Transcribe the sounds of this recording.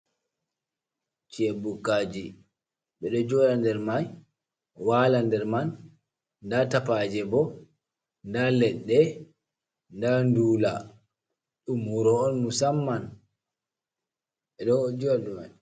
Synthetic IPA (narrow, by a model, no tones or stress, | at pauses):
t͡ʃɛbukːaːd͡ʒi | ɓɛɗɔd͡ʒɔlandɛɾmaj | walandɛɾman | datapad͡ʒɛbɔ | ndalɛɗːɛ | ndanduːla | ɗumuɾɔːnmusamːan | ɓɛɗɔd͡ʒuwaduman